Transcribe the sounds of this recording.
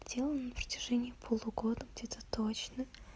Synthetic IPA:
dʲelˠənənəpɾətʲɪ̥ʐɛnʲɪːpʰolˠuɡo̞d̪əɡdʲet̪ət̪ot͡ɕnə

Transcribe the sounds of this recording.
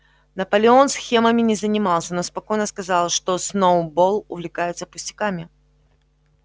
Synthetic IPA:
nɐpəlʲɪo̞nsxʲe̞məmʲɪnʲɪzənʲɪmɑlˠsʲəno̞spɐko̞jnəskɐzɑlˠʂt̪osnobo̞lˠʊvlʲɪkajɪt̪səpʊsʲtʲɪ̥kamʲɪ

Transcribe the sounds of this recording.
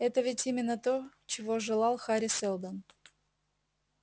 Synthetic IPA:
ɛt̪əvʲɪtʲimʲɪnːət̪o | t͡ɕɪvoʐɨlˠɑlˠxaɾʲɪselˠd̪ən

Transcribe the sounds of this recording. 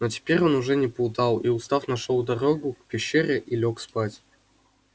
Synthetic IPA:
notʲɪ̥pʲeɾʲonuʐɛnʲɪpʊlˠd̪ɑlˠiʊst̪afnɐʂolˠd̪ɐɾoɡʊkpʲɪɕːeɾʲɪʔilʲokspatʲ

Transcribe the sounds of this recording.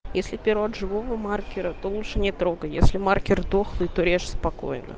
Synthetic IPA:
jesʲlʲɪpʲɪɾoɐd̪ʐɨvovəmarkʲɪɾət̪olˠutʂɨnʲɪt̪ɾo̞ɡəjesʲlʲɪmarkʲɪrd̪oxlˠɨjt̪oɾʲeʂspɐko̞̰jnə̰

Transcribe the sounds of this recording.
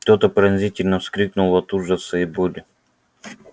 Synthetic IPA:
t̪ot̪əpɾɐnʲzʲitʲɪlʲnəfskɾʲiknulˠɐt̪uʐəsəɪbulʲɪ

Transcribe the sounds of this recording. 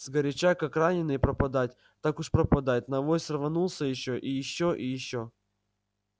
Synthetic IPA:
zɡəɾʲɪt͡ɕakakranʲɪnɨjpɾəpɐd̪atʲ | t̪akʊʂpɾəpɐd̪ajɪt̪ʲnɐvojsrvɐnulˠsʲəjɪɕːoʔijɪɕːoʔijɪɕːo

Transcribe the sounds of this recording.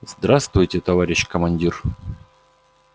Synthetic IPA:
zd̪ɾast̪vʊjtʲɪt̪ɐvaɾʲɪɕkəmɐnʲdʲir

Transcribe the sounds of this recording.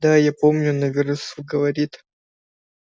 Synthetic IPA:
d̪ajapomnʲʊnɐvʲɪrsʊɡəvɐɾʲit̪

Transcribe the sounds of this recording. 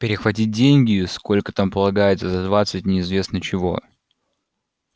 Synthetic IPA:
pʲɪɾʲɪxvɐt̬ʲit̚ʲdʲenʲɡʲɪsko̞lʲkət̪ampəlˠɐɡajɪt̪səzɐd̪vat̪sɨtʲnʲɪɪzvʲe̞snət͡ɕɪvo̞̰

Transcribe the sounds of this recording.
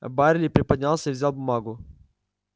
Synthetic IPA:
baɾʲɪlʲiːpɾʲɪpəd̪̚ʲnʲalˠsʲəiʋvzʲalˠbʊmaːɡʊ

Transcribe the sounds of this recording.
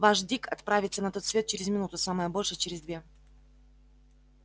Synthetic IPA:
vaʂd̪ʲikɐt̪pɾavʲɪt̪sənɐɛt̪o̞t̪svʲe̞t̪̚t͡ɕɪɾʲɪzmʲɪnut̪ʊsaməjəbo̞lʲʂɨt͡ɕɪɾʲɪzd̪vʲe̞

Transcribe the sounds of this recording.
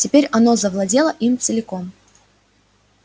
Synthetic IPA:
tʲɪpʲeɾʲɐnozəvlˠɐdʲe̞lˠəʔimt̪səlʲɪko̞m

